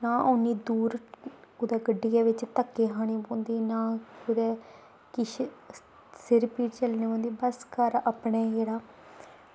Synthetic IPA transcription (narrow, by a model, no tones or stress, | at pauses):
naːʔoːniːd̪uːɾʊd̪ɛːɡəɖːɪjaːʋɪt͡ʃt̪əkːeːɦaːɽ̃iːbõːnd̪iːnaːkʊd̪ɛː | kɪʃ | sɪɾpiːʈt͡ʃəlnẽːõːnd̪iːbəskəɾapɳeːd͡ʒeːɽaː